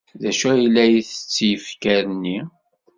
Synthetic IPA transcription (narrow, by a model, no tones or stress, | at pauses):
ðæʃæjilːæjiθə̥t͡sːjəfkæɾənːi